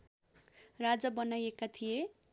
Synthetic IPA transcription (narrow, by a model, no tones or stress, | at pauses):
rad͡zʌbʌnajekat̪ʰije